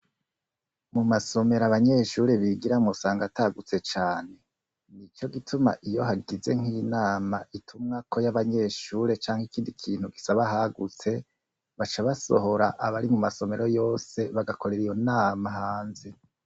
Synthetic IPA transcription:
mumaso̞me̞ɾaβaɲe̞ːʃuːɾe̞βiɡiɾamŋusaːŋɡataɡut͡se̞t͡ʃaːne̞ | nit͡ʃo̞ɡitʰuma̰ʔijo̞ɦaɡize̞̰ŋ̥inaːmaʔitʰumŋakʰo̞jaβaɲe̞ːʃuːɾe̞t͡ʃaːŋhikiːndikʰiːn̥huɡisaβaɦaɡut͡se̞ | βat͡ʃaβaso̞̰ɦo̞ɾaʔaβaɾimumaso̞me̞ɾo̞jo̞ːse̞βaɡako̞ɾe̞ɾijo̞naːmahaːnze̞

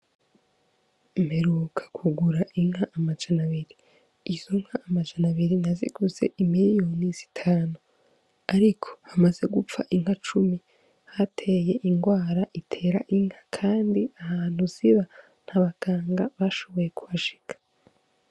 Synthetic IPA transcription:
imeɾukʰḁkʰuɡuɾaʔiŋhaʔamad͡ʒanaβiɾiː | zoŋ̥haːmad͡ʒanaβiɾinazḭɡuze̞̰imiɾijo̞niz̥itʰaːnu | aɾikʰo̥hamaze̞ɡup͡faʔiŋhat͡ʃumi | hatʰe̞je̞ʔiŋɡwaːɾaʔitʰe̞ɾaʔiŋ̥hḁkʰaːndiahaːn̥huz̥iβa | n̥haβaɡaːŋɡaβaʃo̞βo̞je̞kʰuβaʃi̥kḁ

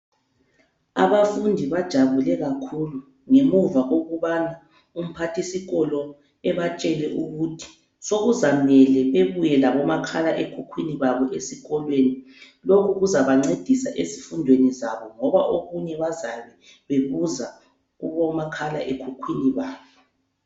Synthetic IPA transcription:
a̰βafundʱiβad̥ʒ̥ʱaβulɛɣakʰulu | ŋemuvaɣoɣuβana | um̩pʰatʰisiɣɔlɔ | ɛβat͡ʃʼɛlɛʔuɣutʰi̥ | soɣuzamɛlɛβeβujɛlaβɔmakʰalaʔekʰukʰwiniβaβɔʔesiɣɔlweni | lokʰuɣuzaβaŋ͡ǀed̥ʱisaʔesifundʱwenizaβɔŋɔβaʔoɣuɲɛβazaβɛ | βeβuza | ɣuβɔmakʰalaʔekʰukʰwiniβaːβɔ

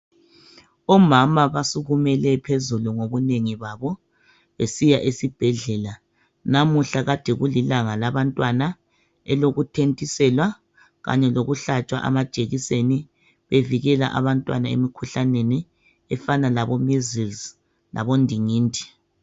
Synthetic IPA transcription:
ɔmamaβasuɣumɛlɛpʰezuluŋoβuneŋiβaβɔ | βesijaʔesib̥ʱɛɮɛla | namuɬaɣad̥ʱɛɣulilaŋalaβantʼwana | ɛloɣutʰentʼisɛlwa | ɣa̰ɲɛloɣuɬat͡ʃʼwa̰ʔa̰mḁʒ̥ʼʱeɣiseni | βeviɣɛla̰ʔa̰βantʼwa̰naḛmikʰuɬaneni | ɛfanalaβɔmizilz | la̰βɔndʱiŋiːndʱi̥

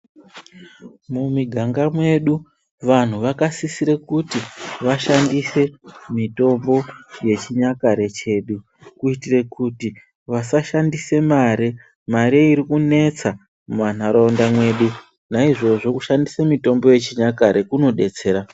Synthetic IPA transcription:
mumiɡʱaŋɡamwe̞ɗu | ʋan̤uʋakasisiɾekutiʋaʃandise̞mito̞mbo̞je̞t͡ʃiɲakaɾe̞t͡ʃe̞ɗu | kuitire̞kuti | ʋasaʃandise̞maɾi | maɾeiɾikune̞t͡sa | muʋan̤aɾaondamwe̞ɗu | naiʐo̞ʐo̞kuʃandisemito̞mbo̞je̞t͡ʃiɲakaɾe̞kuno̞ɗe̞t͡se̞ːɾa

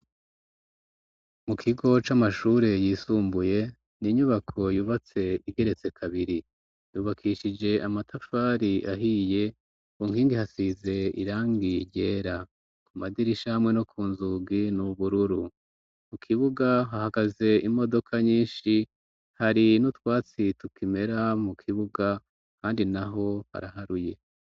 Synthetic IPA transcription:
mukʰiɡo̞t͡ʃamaʃuːɾe̞jiːsuːmbuje̞ | niɲuβakʰo̞juβat͡se̞iɡe̞ɾe̞t͡se̞kʰaβiɾi | d̥uβakʰiʃid͡ʒe̞ʔamatʰafaɾiʔaɦije̞ | uŋ̥hiːŋɡihasize̞ḭɾaːŋɡiɾɟe̞ːɾa | kumadiɾiʃahamŋe̞no̞kʰuːnzuɡinuβuɾuɾu | mukʰiβuɡaɦahaɡaze̞imo̞do̞kʰaɲiːnʃi | haɾinutwaːt͡situkime̞ɾamukʰiβuɡa | kaːndinaɦo̞ha̰ɾaɦaɾuje̞

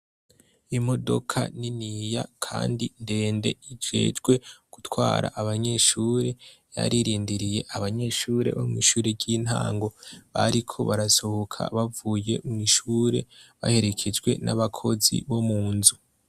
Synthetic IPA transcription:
imo̞do̞̰kʰa̰ninijakʰaːndinde̞ːnde̞id͡ʒe̞̰ːd͡ʒɡwe̞ɡ̥utwaːɾa̰ʔaβaɲe̞ːʃuːɾe̞ja̰ɾiɾiːndiɾijeʔaβaɲe̞ʃuːɾe̞̰βomŋiːʃuːɾeɾɟiːn̥ha̰ːŋɡo̞βaɾikʰo̞̰βaɾaso̞hokʰa̰βavuːje̞mŋwiʃuːɾe̞βa̰he̞ɾe̞kʰe̞d͡ʒɡwe̞̰nʔaβakʰo̞zḭβo̞muːnzu

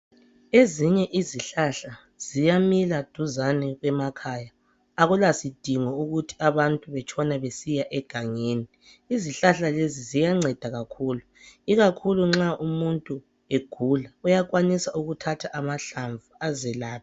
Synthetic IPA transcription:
eziɲɛʔiziɬaɬa | z̥ijamilad̥ʱuzanɛɣwɛmakʰaːjaː | ɣulasid̥ʱiŋɔuɣutʰi̥aβantʼuβɛt͡ʃʰʼɔnaβesijaʔɛɡ̥ʱaŋeːni | iziɬaɬalezizijaŋ͡ǀɛd̥ʱaɣakʰuːlu | iɣakʰuluŋ͡ǁaʔumuntʼu | eɡ̥ʱulaujakwanisauɣutʰatʰaʔamaɬaɱvuazɛlaːpʰi

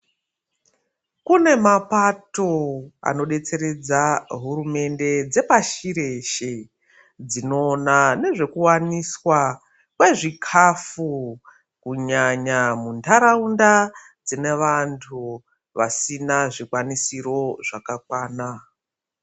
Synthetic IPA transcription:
kune̞mapato̞a̰no̞ɗe̞t͡se̞ɾe̞d͡zaɦurume̞nde̞d͡ze̞paʃiɾe̞ʃe | d͡zino̞ːnane̞ʐe̞kuwaniswa | kwe̞ʐikʰafu | kuɲaɲamuntaɾaunda | d͡zine̞ʋantʰu | ʋa̰sinaʐikwanisiro̞ʐakakwaːna

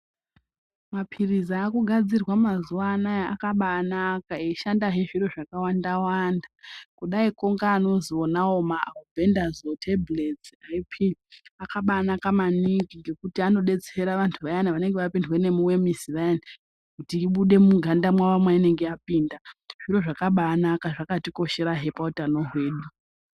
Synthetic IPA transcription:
mapʰirizaːkuɡʱad͡zirwamazuʋanaakaɓaːnakaeiʃandaɦeʐiro̞ʐakawandawaːndakuɗaiko̞ŋɡaːno̞zio̞nawo̞mavʱe̞ndazotʰeblet͡saipʰiakaɓanakamanikiŋɡe̞kutiano̞ɗe̞t͡seeɾaʋantʰuʋajanaʋane̞ŋɡeʋapindwe̞ne̞muwe̞miziʋajani | kutiːɓuɗe̞muɡʱandamwaʋamwaine̞ŋɡeapiːndaʐ̥iɾo̞ʐakaɓaːnakaʐakatiko̞ʃe̞ɾaɦe̞pautano̞ɦwe̞ːɗu

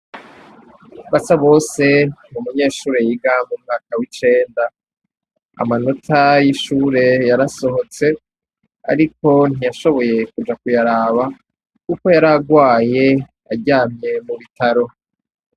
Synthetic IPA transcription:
βasaβo̞ːse̞mumuɲe̞ːʃuːɾe̞jiɡamumŋaːkawit͡ʃe̞ːnda | a̰mano̞tʰajiʃuːɾe̞jaɾaso̞ɦo̞t͡se̞ | a̰ɾiko̞n̥ijaʃo̞βo̞je̞kud͡ʒakujaɾaːβa | kuko̞jaɾaɡwaːje̞ | aɟaːmɲe̞muβitaɾo̞

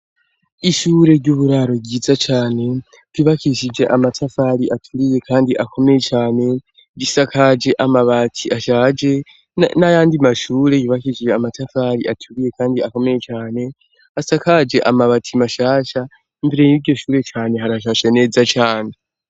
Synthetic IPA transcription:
iʃuːɾe̞ɾɟuβuɾaɾo̞ɡɟizat͡ʃaːne̞ | ɟ̥iβakiʃid͡ʒe̞ʔamatʰafaɾiʔatʰuɾije̞kʰaːndiʔakʰo̞me̞jet͡ʃaːne̞ | ɟisakʰad͡ʒe̞ʔamaβatʰiaʃaːd͡ʒe̞ | najaːndimaʃuːɾe̞βiβakiʃid͡ʒeamatʰafaɾiʔatʰuɾije̞kaːndiako̞me̞je̞t͡ʃaːne̞ | asakad͡ʒe̞ʔamaβatʰimaʃaːʃa | imbiɾeiɾɟo̞ʃuːɾe̞t͡ʃaːne̞ɦaɾaʃaʃane̞ːzat͡ʃaːne

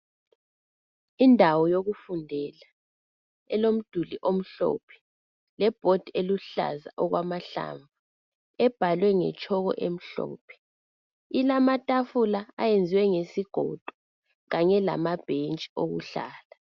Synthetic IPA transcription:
indʱawɔjoɣufundʱɛla | ɛlom̩d̥ʱuliʔom̩ɬɔ̰ːpʰɛ̥ | lɛb̥ʱod̥ʱieluɬa̰za̰ʔɔɣwamaɬa̰ːɱvu | ɛb̥ʱalwɛŋɛ̰t͡ʃʼʰɔɣɔ̰ʔem̩ɬɔ̰ːpʰɛ̥ | ilamatʼafulaa̰jend͡zʱiwɛŋesiɡ̥ʱɔd̥ʱɔ̥ | ɣaɲɛla̰mab̥ʱent͡ʃʼi̥oɣuɬa̰ːla

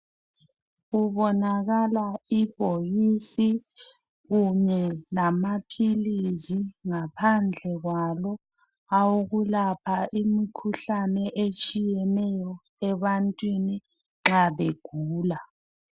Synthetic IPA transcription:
ɣuβɔnaɣalaib̥ʱoɣisi | ɣuɲɛlamapʰiliziŋapʰand͡ɮʱɛɣwalɔ | auɣulapʰaʔimikʰuɬanɛʔet͡ʃʼijɛnɛjɔ | ɛβantʼwini | ŋ͡ǁaβeɡ̥ʱuːla

